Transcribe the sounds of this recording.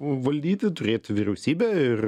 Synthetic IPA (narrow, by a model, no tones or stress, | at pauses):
ʋɐlʲd̪ʲiːt̪ʲɪt̪ʊɾʲeːt̪ʲʋʲiɾʲɛʊsʲiːbʲɛɪr